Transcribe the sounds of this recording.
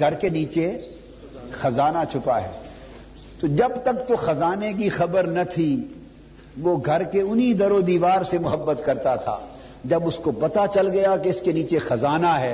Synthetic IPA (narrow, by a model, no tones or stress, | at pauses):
ɡʱɐɾkeniːt͡ʃe | xɐzaːnat͡ʃʰʊpaɦɛ̰ː | t̪od͡ʒɐbt̪ɐk̚t̪oxɐzaːnek̬ixɐbəɾnɐt̪ʰi | ʋoɡʱɐɾkeʊnid̪ɐɾoːd̪iːʋaːɾsemʊɦəbːət̪kɐɾt̪at̪ʰa̰ː | d͡ʒɐbʊskopɐt̪at͡ʃɐlɡɐjakeɪskeniːt͡ʃexɐzaːnaɦɛː